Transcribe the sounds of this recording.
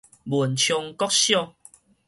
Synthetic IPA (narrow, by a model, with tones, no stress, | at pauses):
bu˨˩nt͡ɕʰjɔ˧ŋkɔ˦k̚ɕjɔ˥˧˨ŋ